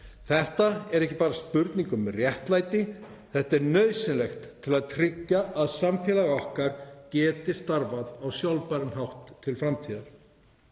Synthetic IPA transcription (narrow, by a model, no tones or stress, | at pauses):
θɛht̪aɛɾɛhcɪ̥paːɾaspʏɾt̪niŋkʏmɛrjɛht̪lajt̪ɪ | θɛht̪aɛɾnœːɥsɪnlɛxt̪ʰːɪlaðt̪ʰɾɪcːaʔaðsamfjɛːlaɣaɔhkaɾ̥cɛːt̪ɪst̪aɾvaðawsjawlpaɾɪnɦawht̪ʰːɪlfɾamt̪ʰiːðaɾ̥